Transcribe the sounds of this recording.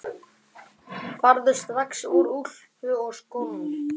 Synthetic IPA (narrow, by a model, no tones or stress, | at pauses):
faɾðʏst̪vaksuɾuɾ̥ | hʏɣɔskoː